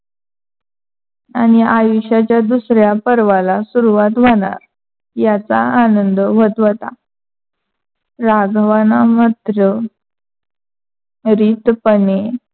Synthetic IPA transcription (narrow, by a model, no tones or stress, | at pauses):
añiajuɕat͡ɕjad̪usɾjapəɾʋalasuɾuʋat̪ʋaɽa̰ɾ | jat͡saanənd̪ʋət̪ʋət̪a̰ | ɾaɡʱʋanamət̪ɾə | ɾiːt̪pəne